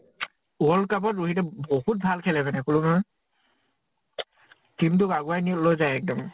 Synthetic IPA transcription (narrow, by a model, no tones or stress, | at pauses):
uɔlkap̬ɔtɹuɦitɛbohut̚bʱalkʰɛlɛbɛnɛkuluma | kimtʊkaɡuajnilojzajɛk̚dɔm